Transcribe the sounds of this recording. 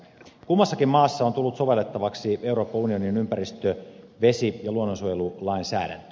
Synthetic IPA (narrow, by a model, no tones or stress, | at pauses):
kumːɑsːɑkimmɑːsːɑo̞nt̪ulːut̪so̞ʋe̞lːet̪ːɑʋɑksie̞wɾo̞ːpːɑunio̞ninympæɾist̪ø | ʋe̞sijɑluonːonsujelulɑinsæ̰ːdæ̰nt̪